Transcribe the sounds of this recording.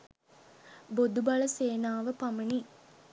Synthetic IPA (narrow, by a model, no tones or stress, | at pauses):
bod̪ubaləseːnaːʋəpaməni